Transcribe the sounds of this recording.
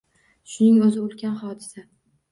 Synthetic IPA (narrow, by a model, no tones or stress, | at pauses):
ʃʊnɪŋɵzɪʊlˠkʲʰanhɒd̪ɪsa